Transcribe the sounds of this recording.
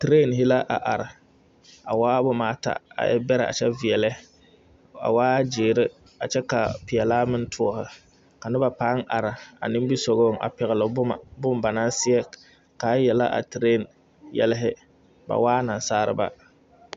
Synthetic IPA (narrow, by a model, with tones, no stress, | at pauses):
tɾeː˦˨nhɪ˦la˦ʔa̰˨ʔa˨ɾɪ˨ | a˨waː˦bʊ˦maː˨˦ta̰˨a̰˨jʔɛ̰˦bɛ˦ɾɪ˨ʔa̰˨t͡ʃɛ˦vɪ˨ɛ˨lɛ˦ | a̰˨waː˦d͡ʒeː˨ɾɪ˦ | a˨t͡ʃɛ˦ka˨pɪ˨ɛ˨laː˦mɪ˦n˦tʰʊ˦ɔ˦hɪ˨ | ka˨nɪ˦ba˨pa˦ŋʔa˨ɾɪ˨a̰˨nɪ˦mbi˦sɔ˨ɣo˦˨ŋa̰˨pɛ˨ɣɪ˨lɨ˨bʊ˦ma˨bʊ˦mba˨na˦sɪ˦ɛ˦ | ka˨˦jɛ˨la̰˦ʔa̰˨tɾe˦˨n | jɛ̰˦lɪ˦ɦɪ˦ | ba̰˨waː˦na˨n˨saː˦ɾɨ̰˦ba̰˦